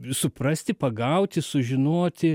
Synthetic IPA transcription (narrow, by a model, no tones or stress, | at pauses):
sʊprɐsʲt̪ʲɪpɐɡɐʊt̪ʲɪsʊʒʲɪnoːt̪ʲɪ